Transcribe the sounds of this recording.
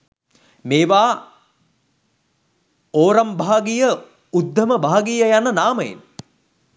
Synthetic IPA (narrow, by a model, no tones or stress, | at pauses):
meːʋaː | oːɾɐmbʱaːɡijə | ud̪ʱːəməbʱaːɡijəjanənaːməjḛn